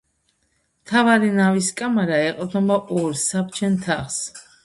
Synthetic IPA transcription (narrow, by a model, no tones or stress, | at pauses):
mt̪ʰavaɾinaviskʼamaɾaɛq̪ʼnɔbaʔɔɾsapt͡ʃʰɛnt̪ʰaχs